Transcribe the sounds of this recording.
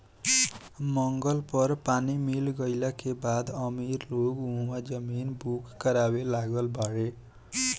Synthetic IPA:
mʌŋɡʌlpʌrpanimilɡʌjlakebad̪ʌmirlokũɦmad͡zʌminbʱukːʌɾabelaɡʌlbʱʌɽe

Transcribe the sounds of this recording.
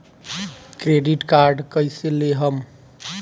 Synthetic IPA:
kɾeɖiʈkaɾɖkəjseleɦəm

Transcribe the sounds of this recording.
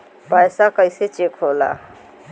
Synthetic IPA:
pajsakəjset͡ʃekɦola̰

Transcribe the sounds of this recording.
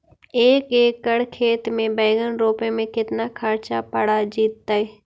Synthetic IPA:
eːkeːkːəɽkʰeːt̪mẽbeːɪɡənɾoːpemẽkɪt̪nakʰəɾt͡ʃapəɽad͡ʒiːt̪ːae

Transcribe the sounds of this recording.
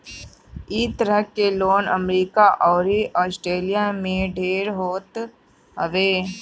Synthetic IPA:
iːt̪əɾəkːeloːnə̰mɾiːkaʔɔːɾiʔɔːsʈɾeːlijamẽɖʱeːɾɦoːt̪ | ɦə̰ʋeː

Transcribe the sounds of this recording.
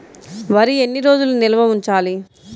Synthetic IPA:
ʋɐɾie̞nːiɾo̞ːd͡ʒulunilɐʋɐuɲt͡ʃaːli

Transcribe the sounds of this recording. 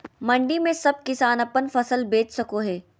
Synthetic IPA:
mɐ̃ɳɖimẽsɐb̚kɪsaːnɐpənfɐsəlbeːt͡ʃsɐkoɦɛː

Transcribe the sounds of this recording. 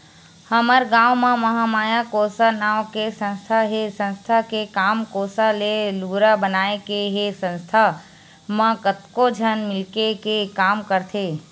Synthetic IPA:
həməɾɡãːwmãməɦamaːjakosanawkesə̃nst̪ʰaɦesə̃nst̪ʰakekaːmkoːsaleluɾabənaːekeɦesə̃nst̪ʰa | mə̃kət̪kod͡ʒʱənmɪlkekekaːmkəɾt̪ʰe

